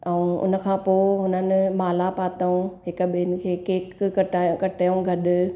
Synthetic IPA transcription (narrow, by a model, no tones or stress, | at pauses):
ɛ̃ũʊ̰nə̆kʰãːpoːɦʊnənɪ̆maːlapaːt̪əũɦɪk̆ɓɪɪnɪ̆kʰeːkeːkkɐʈːkɐʈʰaːjũɡʱɐɗʊ̆